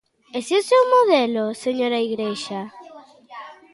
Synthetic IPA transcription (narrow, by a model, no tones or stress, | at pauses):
esiosewmoðeloseɲoɾaiɣɾeʃa